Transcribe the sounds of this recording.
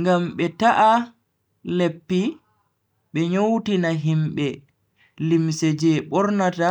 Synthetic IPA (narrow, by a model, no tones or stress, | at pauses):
ŋɡamɓɛtaʔa | lepːi | ɓɛɲowtinaɦimɓɛ | limsɛd͡ʒɛɓɔɾnata